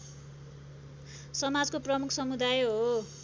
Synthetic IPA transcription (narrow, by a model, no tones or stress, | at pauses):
sʌmad͡zkoprʌmukʰsʌmud̪ajɦo